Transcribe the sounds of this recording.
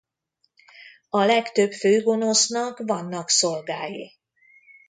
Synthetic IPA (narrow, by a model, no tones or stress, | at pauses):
ɒlɛkt̪øpføːɡo̞no̞snɒkvɒnːɒkso̞lɡaːji